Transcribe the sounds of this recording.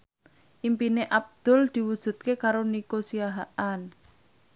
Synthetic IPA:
ʔimpineʔab̚d̪̥ʊ̤ld̪̥i̤wud̥ʒ̥ṳt̪̚kekaɾonikosiaɦaʔan

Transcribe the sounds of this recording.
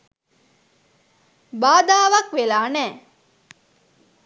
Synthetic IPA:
baːd̪aːʋakʋelaːnɛː

